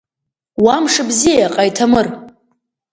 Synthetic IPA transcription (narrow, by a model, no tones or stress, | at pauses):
wamʂɨbzijaqʼajtʰamɨr